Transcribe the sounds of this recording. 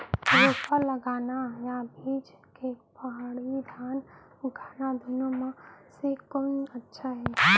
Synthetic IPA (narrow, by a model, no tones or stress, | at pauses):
ɾoːpəɾləɡaːnajabʱiːd͡ʒ | kepaɦaɽid̪ʱjaːn | ʊɡʰaːnad̪ʱʊnomãsekonətːʃʰaɦɛː